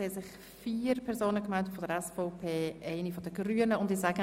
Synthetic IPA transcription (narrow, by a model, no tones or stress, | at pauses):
esɪχ | fiːɾpʰɛɾzoːnəkmɛldətfɔdəɾɛsfoʊpʰeːʔɛɪnifɔdəɡryːənəʊndɪzaɡə